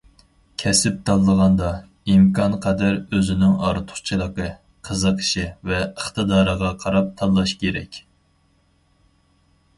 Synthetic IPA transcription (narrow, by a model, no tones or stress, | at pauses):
kʲʰɛsɪp̚t̪ʰɑlˠːəʁɑnd̪ɑ | imkʰɑnqʰɛd̪æɾøzɪnɪŋɑ̰ɾɨt̪ʰʊ̥χt͡ʃʰɨlˠəqə | qʰəzəqʰə̥ʃɪvɛəχt̪ɨd̪ɑːɾəʁɑqʰɑɾɑp̚t̪ʰɑlˠːɑʃkʲʰeɾɛ̰kʲ